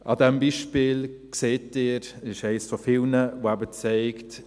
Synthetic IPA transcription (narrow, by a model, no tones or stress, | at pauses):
ʔɑ̰dɛmbiːʃpɪːlkseːtɪːɾɪʃɛɪsfofɪlnəvoæbət͡sɛɪkt